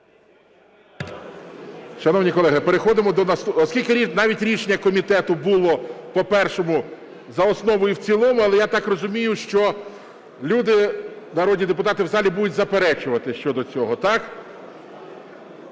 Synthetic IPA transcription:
ʃɐnɔwnʲikɔlˠɛɦɪpeɾexɔd̪ɪmɔd̪ɔnɐsɔskʲilʲkɪnɑʋʲitʲɾʲiʃenʲːɐkɔmʲit̪ɛt̪ʊbʊlˠɔpɔpɛrʃɔmʊ | zɐɔsnɔʋɔjʊwt͡sʲilˠɔmʊɐlˠɛjat̪ɑkrɔzʊmʲijʊʃt͡ʃɔ | lʲud̪ɪ | nɐɾɔdʲnʲid̪epʊt̪ɑt̪ɪwzɑlʲibud̪ʊtʲzɐpeɾɛt͡ʃʊʋɐt̪ɪʃt͡ʃɔd̪ɔt͡sʲɔɦɔt̪ɑk

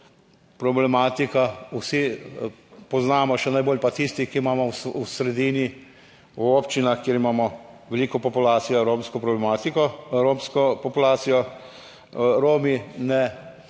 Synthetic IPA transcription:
pɾɔblɛmaːt̪ikawsi | pɔznaːmɔʃɛnajboːlʲpat̪ist̪ikiimaːmɔsusɾɛd̪iːni | oːpt͡ʃinaxkjiːɾimaːmɔʋɛliːkɔpɔpulaːt̪sijɔɾoːmskɔpɾɔblɛmaːt̪ikɔɾomskɔpɔpulaːt̪sijɔ | ɾoːminɛ

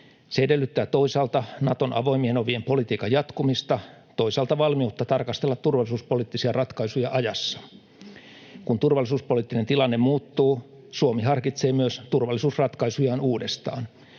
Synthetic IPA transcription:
seedelːyt̪ːæːt̪o̞isɑlt̪ɑnɑt̪o̞nʔɑ̰ʋo̞imienoʋiempo̞lit̪iːkɑjɑt̪kumist̪ɑt̪oisɑlt̪ɑʋɑlmiut̪ːɑt̪ɑrkɑst̪elːɑt̪turʋɑlːˑisuːspoliːt̪ːisiɑrɑt̪kɑisujɑʔɑjɑsːɑ̥ | kunt̪urʋɑlːˑisuːspo̞lit̪ːinent̪ilɑnːemmuːt̪ːuː | suomiɦɑrkit̪se̞ːmyøst̪urʋɑlːisuːsrɑt̪kɑisujɑːnuːdest̪ɑ̰ːn

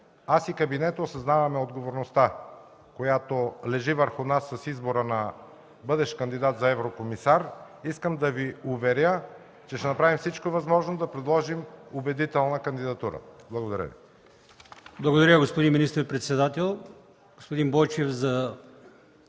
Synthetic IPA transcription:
asikɐbinɛt̪oːsɐznavɐmɛod̪ɡovoɾnost̪a | kojat̪olɛʒivəɾxʊnasːɐsizboɾənɐ | bɤd̪ɛʃkɐnd̪id̪at̪zɐɛvɾokomisaɾ | iskəmd̪ɐviʊvɛɾʲjə | t͡ʃɛʃt̪ɛnɐpɾavimfsit͡ʃkovɐzmɔʒnod̪ɐpɾɛd̪lˠɔʒimʊbɛd̪it̪ɛlˠnəkɐnd̪id̪ɐt̪uɾə̰blˠɐɡod̪ɐɾə̰vḭ | blˠɐɡod̪ɐɾʲəɡospod̪inminist̪əɾpɾɛt̪sɛd̪at̪ɛlˠ | ɡ̥ospod̪ĩnbɔjt͡ʃɛfzɐ

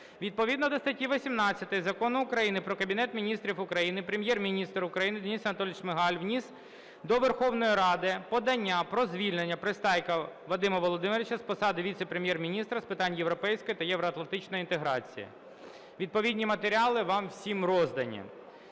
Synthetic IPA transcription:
ʋʲid̪̚pɔʋʲid̪nɔd̪ɔst̪ɐtʲiʋɔsʲimnɑt͡sʲːɐt̪ɪjzɐkɔnʊʊkɾɐjinɪpɾɔkɐbʲinɛt̪mʲinʲist̪ɾʲifʊkɾɐjinɪpɾemʲjɛrmʲinʲist̪rʊkɾɐjinɪd̪enʲisɐnɐt̪ɔlʲɪt͡ʃmɪɦɑlʲʋnʲis | d̪ɔʋerxɔʋnɔjiɾɑd̪ɪpɔd̪ɐnʲːapɾɔzʲʋʲilʲnenʲːɐpɾɪst̪ɑjkɐʋɔd̪ɪmɐʋɔlˠɔd̪ɪmeɾʲʋʲɪt͡ʃɐspɔsɑd̪ɪʋʲit̪sɛpɾemʲjɛrmʲinʲist̪ɾɐspɪt̪ɑnʲjeʋɾɔpɛjsʲkɔjit̪ɐjɛʋɾɔɐt̪lˠɐnt̪ɪt͡ʃnɔjint̪eɦɾɑt͡sʲijɐ̰ | ʋʲid̪̚pɔʋʲid̪ʲnʲimɐt̪eɾʲiɑlˠɪʋɑmwsʲimɾɔzd̪ɐnʲːɐ̰m

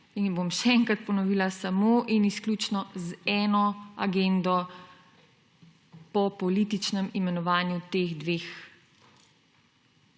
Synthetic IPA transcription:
inbomʃɛɛŋkɾat̪̚pɔnɔʋiːlasamoʔinisklʲuːt͡ʃnɔzɛːnɔaɡend̪ɔ | pɔpɔlit̪it͡ʃnɛmimɛnɔʋaːnjut̪eːɣd̪ʋeːx

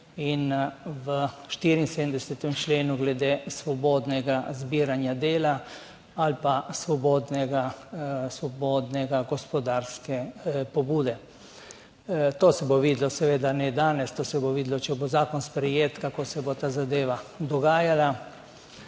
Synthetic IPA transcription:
inʋəʃt̪iːɾinsed̪md̪ɛsɛt̪ɛmt͡ʃleːnuɡlɛd̪eːsʋɔboːd̪nɛɡazbiːɾanjad̪eːla | alpasʋɔboːd̪nɛɡasʋɔboːd̪nɛɡaɡɔspɔd̪aːɾskɛpɔbuːd̪ɛ | t̪oːsɛboʋiːd̪lɔsɛʋeːd̪anɛd̪aːnɛst̪oːsɛboʋiːd̪lɔt͡ʃɛbozaːkɔnspɾɛjeːt̪kakosɛbot̪aːzad̪eːʋad̪ɔɡaːjala

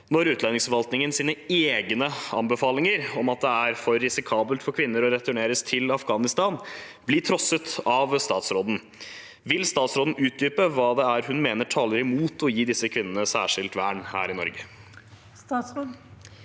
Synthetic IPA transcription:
nɔɾʉːt̪lɛnːɪŋsfɔɾʋɑlt̪nɪŋənsiːnəeːɡnəɑ̰mbəfɑːlɪŋəɾɔmɑt̪̚d̪ɛæɾfɔɾːɪsɪkʰɑːbəlt̪fɔɾkʰʋɪnːəɾɔɾɛt̪ʉɳeːɾəst̪ʰɪlɑfɡɑːnɪst̪ɑːn | bliːʈ̪ʰɾɔsət̪ɑʋst̪ɑːt̪sɾoːd̪n̩ | ʋɪlst̪ɑːt̪sɾoːd̪n̩ʉːt̪̚d̪yːpəʋɑːd̪ɛæɾɦʉnmeːnəʈʰɑːləɾɪmuːt̪ʰɔjiːd̪ɪsːəkʰʋɪnːənəsæ̰ːʂɪlt̪ʋæːɳhæ̰ːɾɪnɔ̰ɾɡə

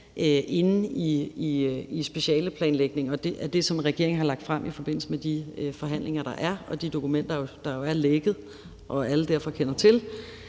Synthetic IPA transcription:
ʔøʔe̝nn̩iiisb̥e̝ɕɛ̰ːləpʰlɛ̰ːnleɡ̥ne̝ŋɒ̽d̥eʔæd̥e̝sɒ̽mʁɛɡ̥e̝ɐ̰eŋ̩ɦɑ̈lɑ̈ɡ̥̚d̥fʁam̰ʔifɒ̽b̥e̝n̰l̩səmed̥ifɒ̽ɦæn̰le̝ŋɐɾ̥ɑ̈ʔæɐɒ̽d̥id̥o̝kʰumen̰d̥ɐjod̥ɑ̈jo̝æɐleɡ̥ð̞̩ˠ | ʔɒ̽æləd̥æɐ̰fɒ̽kʰenɐt͡sʰe̝l

